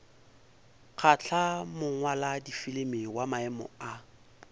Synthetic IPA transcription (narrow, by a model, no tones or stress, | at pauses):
k͡xʰat͡ɬʰamʊŋwaladifɪlɪmɪwamaɛmɔ̰a